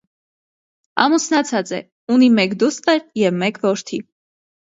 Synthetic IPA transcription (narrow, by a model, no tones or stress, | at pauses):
ɑ̰musnɑt͡sʰɑt͡sɛ̰ | unimɛkd̪ust̪ɛɾjɛvmɛkʰvɔɾt̪ʰi